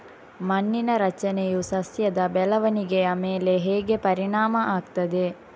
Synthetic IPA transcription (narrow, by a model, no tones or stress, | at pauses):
mɐnːinɐɾɐt͡ʃɐnejusɐsjɐd̪abɛlɐʋɐniɡeɐmeːleɦeːɡepɐɾinaːmaʔakt̪ɐd̪e